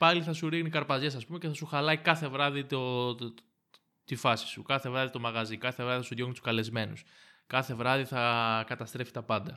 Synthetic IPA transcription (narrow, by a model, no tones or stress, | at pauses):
pɐliθɐsuɾiɣnikɐɾpɐzʝe̞sɐspume̞ceθɐsuxɐlɐikɐθe̞vɾɐðit̪o | t̪ifɐsi̥sukɐθe̞vɾɐðit̪o̞mɐɣɐzikɐθe̞vɾɐðiθɐsuðjoɣnit̪u̥skɐle̞zme̞nuskɐθe̞vɾɐðiθɐkɐt̪ɐst̪ɾe̞fi̥t̪ɐpɐnd̪ɐ